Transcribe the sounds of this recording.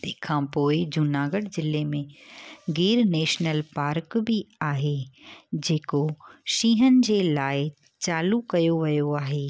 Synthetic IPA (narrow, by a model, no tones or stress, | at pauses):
t̪ekʰãːpoːɪd͡ʑʊnaːɡəɽd͡ʑɪlemẽɡiːɾneːʃnəlpaːɾkbiaːɦed͡ʑeːkoʃiːɦənɪ̆d͡ʑeːlaːɪ | t͡ɕaːlukɐjoʋɐjoaːɦeː